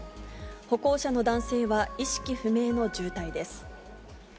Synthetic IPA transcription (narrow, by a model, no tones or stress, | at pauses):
ho̞ko̞ːɕano̞d̪ãɰ̃se̞ːβaiɕi̥kʲiɸɯ̟me̞ːno̞d͡ʑɨːt̪aid̪e̞sɨ̥